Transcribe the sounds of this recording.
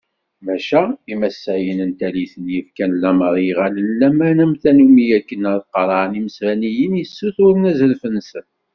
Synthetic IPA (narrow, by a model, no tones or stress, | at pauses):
mæʃæimæsːæjənənt̪æliθənjəfkænlːæməɾˤjiʁælənlæmænæmθænumijækːənəɾˤqːɾˤɑʕniməsɾænijənjəsːuθʊɾnæzəɾfənsən